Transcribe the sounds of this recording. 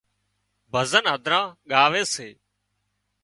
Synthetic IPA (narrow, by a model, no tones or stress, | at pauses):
bʱəzənɦəd̪ʱɾãːɠaːʋeːseː